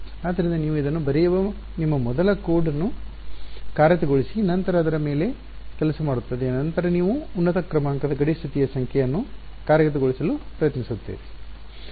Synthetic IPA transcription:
aːd̪ːɐɾind̪ɐniːʋuid̪ɐnːubɐɾɛjɐʋɐ | nimːɐmɔd̪ɐlɐkoːɽɐnːu | kaːɾjɐt̪ɐɡoɭisinɐnt̪ɐɾɐːd̪ɐɾɐme̞ːle̞ | kɛlɐsɐmaːɽut̪ːɐd̪eːnɐnt̪ɐɾɐniːʋuːnːɐt̪ɐkɾɐmaːŋkɐd̪ɐɡɐɽist̪ʰit̪ijɐsɐŋkʰjɛjɐnːukaːɾjɐɡɐt̪̬ɐɡoɭisɐlupɾɐjɐt̪nisut̪ːeːʋi

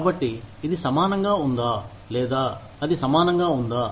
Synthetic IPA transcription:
kabɐʈːiid̪isɐmaːnɐŋɡaund̪aː | lɛːd̪aː | ɐd̪isɐmaːnɐŋɡaund̪aː

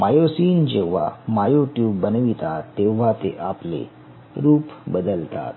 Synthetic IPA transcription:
majosiːnd͡ʑeʋ̤a̰majoʈjuːbːənʋit̪at̪ːeʋ̤at̪ḛʔaplḛ | ɾuːpbəd̪əlt̪a̰t̪̚

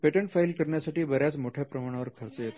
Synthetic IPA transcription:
peʈəɳʈfailkəɾɳjasaʈiːbəɾjat͡smoʈʰjepɾəmaɽ̃aʋəɾkʰəɾt͡səjet̪

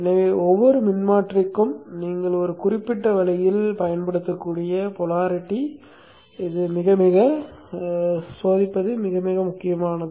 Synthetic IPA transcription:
ɪnːɐʋeːɔʋːɔɾɯmɪnmaːʈrɪkːɯmniːŋɡɐɭɔɾɯkʊrɪpːɪʈːɐʋɐlɐjɪlpɐjɐnpɐɽɯt̪ːɐkːuːɽɪjɐpɔlaːɾɪʈːi | ɪðɯmɪɣɐmɪɣɐ | soːðɪpːɐðɯmɪɣɐmɪɣɐmʊkːɪjɐmaːnɐðɯ

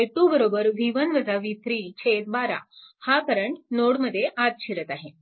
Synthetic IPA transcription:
eɭʈubəɾobəɾʋʱiʋənʋəd͡zaʋiːt̪ʰɾiːt͡ɕʰet̪̚baɾa̰hakaɾəɳnoɽməd̪ʱːjeʔat̪̚ɕʰiɾət̪aɦe

